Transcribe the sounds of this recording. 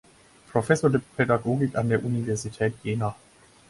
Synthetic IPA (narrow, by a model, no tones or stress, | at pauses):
pʁ̥ofɛsɔdepʰedaɡoːɡikandeːɐʔunivɛɐzitʰɛːtjeːna